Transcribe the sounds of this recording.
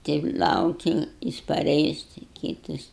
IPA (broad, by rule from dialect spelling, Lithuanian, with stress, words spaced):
ˈtʲɛɪp ˈlˠɐʊkʲɪ ˈjɪs pɐˈrʲɛɪs tʲɪ ˈkʲiːtɐs